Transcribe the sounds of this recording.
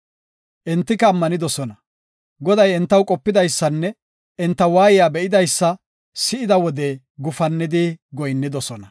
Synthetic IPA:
ʔɛnt̪ːɪkɐːmːɐnɪd̪ɔsɔnɐ | ɡɔd̪ɐjɛnt̪ːɐwkʼɔpːɪd̪ɐjsːɐnːɛ | ʔɛnt̪ːɐwaːjɪjaːbɛʔɪd̪ɐjsːɐ | sɪʔɪd̪ɐwɔd̪ɛ | ɡʊfɐnːɪd̪ɪɡɔjnːɪd̪ɔsɔnɐ

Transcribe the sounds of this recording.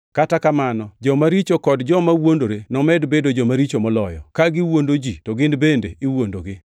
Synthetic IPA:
katakamanɔd͡ʒɔmaɾit͡ʃokɔdd͡ʒɔmawondoɾenɔmɛdbedod͡ʒɔmaɾit͡ʃomɔlɔjɔ̰kaɡɪwondod͡ʒitɔɡɪndbendeʔɪwondoɡɪ

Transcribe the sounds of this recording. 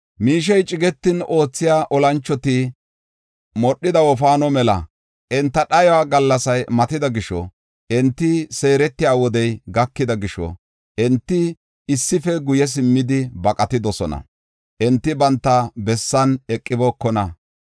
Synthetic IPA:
miːʃ̬ɛjt͡ʃʼɪɡɛt̪ːɪno̞ːt͡sːɪjaːʔɔlɐnt͡ʃːɔt̪ɪ | mɔɗːɪd̪ɐwɔfaːnɔmɛlɐ̰ | ʔɛnt̪ːɐɗɐjɔwaːɡɐlːɐsɐjmɐt̪ɪd̪ɐɡɪʃɔ̰ | ʔɛnt̪ːɪse̞ːɾɛt̪ːɪjaːwɔd̪ɛjɡɐkːɪd̪ɐɡɪʃɔ̰ | ʔɛnt̪ːɪ | ɪsːɪfɛɡʊjɛs̬ɪmːɪd̪ɪbɐkʼɐt̪ɪd̪ɔsɔnɐ̰ | ʔɛnt̪ːɪbɐnt̪ːɐbɛsːɐnɛkʼːɪbɔkːɔnɐ

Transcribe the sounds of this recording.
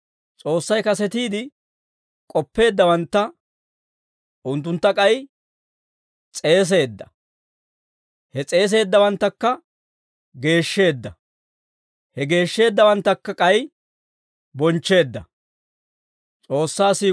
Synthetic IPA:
t͡sʼo̞ːsːɐjkɐsɛt̪iːd̪ɪ | kʼɔpːe̞ːd̪ːɐwɐnt̪ːɐ | ʔʊnt̪̬ːʊnt̪ːɐkʼɐj | t͡sʼe̞ːs̬e̞ːd̪ːɐ | hɛt͡sʼe̞ːs̬e̞ːd̪ːɐwɐnt̪ːɐkːɐ | ɡe̞ːʃːe̞ːd̪ːɐ | hɛɡe̞ːʃːe̞ːd̪ːɐwɐnt̪ːɐkːɐkʼɐj | bɔnt͡ʃːe̞ːd̪ːɐ | t͡sʼo̞ːsːaːsiː

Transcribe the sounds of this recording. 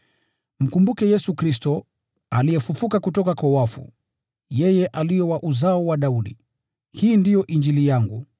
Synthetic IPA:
m̩kumbukɛjɛsukɾistɔ | a̰lijɛfufukakutɔkakwawafṵ | jɛjɛʔalijɔwaʔuzaɔwaɗauɗḭ | hiːndijɔʔind͡ʒilijaŋɡu

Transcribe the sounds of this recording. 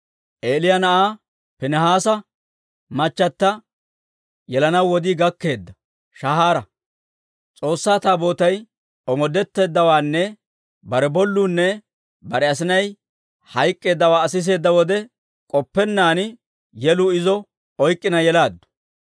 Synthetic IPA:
ʔeːlɪjɐnɐʔaː | pɪnɛɦaːsɐ | mɐt͡ʃːɐt̪ːɐ | jɛlɐnɐwːɔd̪ɪɡɐkːe̞ːd̪ːɐ | ʃɐhaːɾɐ | t͡sʼo̞ːsːaːt̪aːbo̞ːt̪ɐj | ɔmɔd̪ɛt̪ːe̞ːd̪ːɐwaːnːɛ | bɐɾɛbɔlːuːnːɛ | bɐɾɛɐs̬ɪnɐj | hɐjkʼːe̞ːd̪ːɐwaːɐsɪs̬e̞ːd̪ːɐwɔd̪ɛ | kʼɔpːɛnːaːn | jɛlʊɪzɔ | ɔjkʼːɪnɐjɛlaːd̪ːʊ̥

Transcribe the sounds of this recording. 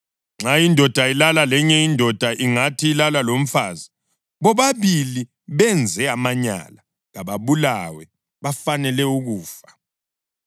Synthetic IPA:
ŋ͡ǁajindʱɔd̥ʱailalalɛɲɛindʱɔd̥ʱaʔiŋatʰiːlalalom̩fa̰zi | βɔβaβili | βɛnd͡zʱɛamaɲa̰la | ɣaβaβulawɛ | βafanɛlɛuɣuːfḁ

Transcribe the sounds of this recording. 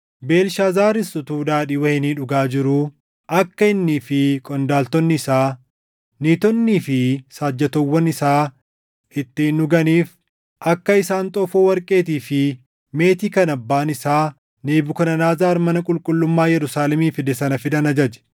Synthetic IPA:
be̞ːlʃaːzaːɾɪsʊt̪uːd̪aːᶑiːwɐhɪniːᶑʊɡaːd͡ʒɪɾʊ | ʔɐkːɐɪnːiːfɪkʼɔnd̪aːlt̪ɔnːɪɪsaː | niːt̪ɔnːiːfɪsaːd͡ʒːɐt̪ɔwːɐnɪsaː | ɪt̪ːɪnʊɡɐniːf | ʔɐkːɐɪsaːnt̪ʼɔfoːwɐɾkʼe̞ːt̪iːfɪ | me̞ːt̪iːkɐnɐbːaːnɪsaː | neːbʊkɐnɐnaːzaːɾmɐnɐkʼʊlkʼʊlːʊmːaːjɛɾʊsaːlɛmiːfɪd̪ɛsɐnɐfɪd̪ɐnɐd͡ʒɐd͡ʒɛ̥

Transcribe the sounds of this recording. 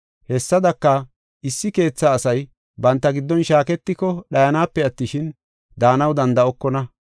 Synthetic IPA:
hɛsːɐd̪ɐkːɐ | ɪsːɪke̞ːt͡sːaːsɐj | bɐnt̪ːɐɡɪd̪ːɔnʃaːkɛt̪ːɪkɔɗɐjɐnaːpːɛɐt̪ːɪʃɪn | d̪aːnɐwd̪ɐnd̪ɐɔkːɔnɐ

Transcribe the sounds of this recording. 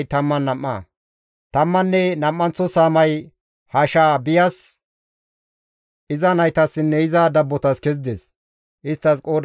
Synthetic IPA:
jt̪ɐmːɐnːɐmːɐ̰ | t̪ɐmːɐnːɛnɐmːɐnt͡sːɔsaːmɐj | haʃaːbɪjɐs | ʔɪzɐnɐjt̪ɐsːɪnːɛɪzɐd̪ɐbːɔt̪ɐskɛzd̪ɛs | ʔɪst̪ːɐskʼo̞ːd̪

